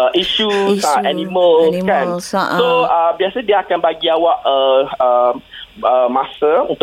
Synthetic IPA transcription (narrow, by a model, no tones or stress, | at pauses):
əʔiʃusaaanĩmə̃lkansoəbiasədiaakanbaɡiawaʔəə | əmasəṵnt̪